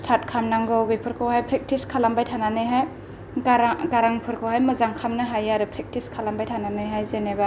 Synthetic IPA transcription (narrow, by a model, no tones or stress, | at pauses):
stʰat̚kʰamnaŋɡɯwbejpʰɯɾkʰɯwɦajpʰɾek̚tiskʰalambajtʰananɯjɦaj | aɾaɡaɾaŋpʰɯɾkʰɯwhajmɐzaŋkʰamnɯɦajaɾɯpʰɾek̚tiskʰalambajtʰananɯjɦajzeneba